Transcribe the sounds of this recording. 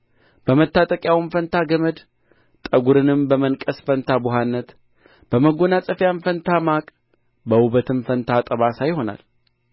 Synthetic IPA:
b̥əmət̪ːat̪ʼəkʼjawɨmfənt̪ʰaɡəməd̪ | t̪ʼəɡuɾɨnɨmbəmənkʼəsfənt̪ʰabʊɦanːət̪ | b̥əməɡonasʼəfjanfənt̪ʰamakʼ | bəwubət̪ʰɨmfənt̪ʰat̪ʼəβasajɪho̞na̰l

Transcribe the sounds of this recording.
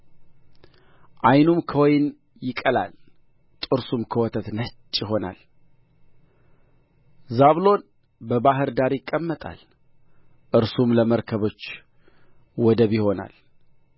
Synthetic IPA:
ʔajnumkʰəwɔjɪn | jɪkʼəla̰l | t̪ʼɨɾsumkʰəwɔt̪ʰət̪nət͡ʃʼːjɪɦo̞na̰l | zaβlo̞n | bəβaɦɨɾd̪aɾjɪkʼːəmːət̪ʼa̰l | ʔɨɾsumləməɾkʰəβo̞t͡ʃː | wɔd̪əβjɪho̞na̰l

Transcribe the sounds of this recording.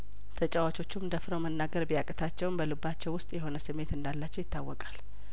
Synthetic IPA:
t̪ʰət͡ʃʼawat͡ʃʼo̞t͡ʃːumd̪əfɾəwmənːaɡəɾbijakʼət̪ʰat͡ʃːɛwnbəlɨbat͡ʃːɛwʊst̪ʼjɛho̞nəsɨmːe̞t̪ɨnd̪alːat͡ʃːɛwjɪt̪ːawːɔkʼal

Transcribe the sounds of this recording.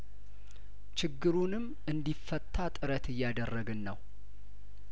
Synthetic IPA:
t͡ʃɪɡːɨɾunɨm | ɨnd̪ifːət̪ʰʼːat̪ʼɨɾət̪ɨjːad̪ərːəɡɨnːəw

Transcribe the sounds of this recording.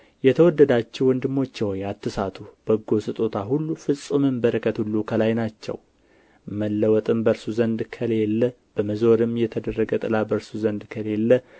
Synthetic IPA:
jɛt̪ʰəwɔd̪ːəd̪at͡ʃːɛwɔnd̪ɨmːo̞t͡ʃːɛwɔjat̪ʰːɨsat̪ʰub̥əɡo̞sɨt̪ʼot̪ʰaɦulːufɨsʼumɨmbəɾəkʰət̪hulːukʰəlajnat͡ʃːɛ̰w | məlːəwɔt̪ʼɨmbəɾsuzənd̪kʰəlelːə | b̥əməzo̞ɾɨmjɛt̪ʰəd̪ərːəɡət̪ʼɨlabəɾsuzənd̪kʰəle̞lːə

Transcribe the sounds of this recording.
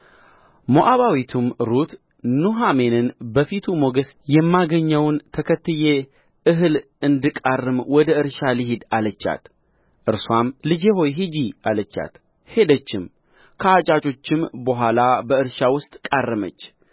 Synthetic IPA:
moʔaβawit̪ʰumɾut̪ | nuɦame̞nɨnbəfit̪ʰumo̞ɡəs | jɛmːaɡəɲːəwnt̪ʰəkʰət̪ːɨje | ʔɨɦɨl | ɨnd̪ɨkʼarːɨmwɔd̪əɨɾʃaliɦɪd̪alət͡ʃːa̰t̪ | ʔɨɾswamlɨd͡ʒeɦo̞jɦid͡ʒialət͡ʃːa̰t̪ | he̞d̪ət͡ʃːɪm | kʰəat͡ʃʼat͡ʃʼo̞t͡ʃːɪmbəɦʷalabəɨɾʃawʊst̪ʼkʼarːɨmə̰t͡ʃː

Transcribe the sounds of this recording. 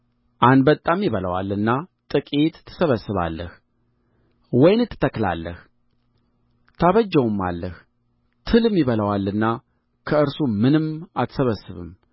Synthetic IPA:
ʔanbət̪ʼːamːiβələwa̰lːɨnːat̪ʼɨkʼit̪t̪ʰːə̥səβəsɨβa̰lːə̰h | wɔjnɨt̪ʰːɨ̥t̪ʰəkla̰lːəh | t̪ʰaβəd͡ʒːəwmːa̰lːəh | t̪ʰɨlɨmːiβələwalːɨnːa | kʰəɨɾsumɨnɨmat̪səβəsːɨβɨ̰m

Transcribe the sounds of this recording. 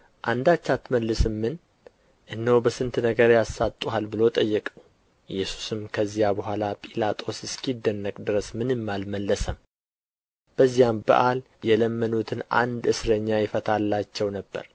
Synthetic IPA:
ʔand̪at͡ʃːat̪məlːɨsɨmːɨn | ʔɨnːəwbəsɨnt̪nəɡəɾjasːat̪ʼːuhalbɨlo̞t̪ʼəjːɛkʼəw | jːɛsu̥sɨmkʰəzːijabəɦʷalapʼilat̪ʼo̞sɨskʰid̪ːənːəkʼd̪ɨɾəsmɨnɨmːalməlːəsəm | b̥əzːijambə̰ʔal | jɛləmːənut̪ʰɨnʔa̰nd̪ɨsɾəɲːajɪfət̪ʰalːat͡ʃːɛwnəbːə̰ɾ

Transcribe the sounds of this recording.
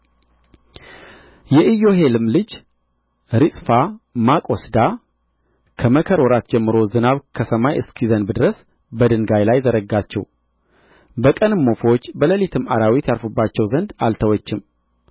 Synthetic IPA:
jɛʔɨjo̞ɦe̞lɨmlɨd͡ʒ | ɾɨsʼfamakʼosd̪a | kʰəməkʰəɾwɔɾat̪d͡ʒɛmːɨɾo̞zɨnaβkʰəsəmajɨskʰizənbɨd̪ɾəs | bəd̪ɨŋɡajlajzəɾəɡːat͡ʃːɛw | bəkʼənɨmːo̞fot͡ʃːbələlit̪ʰɨmaɾawit̪jalfubːat͡ʃːɛwzənd̪alt̪ʰəwɔt͡ʃːɪm

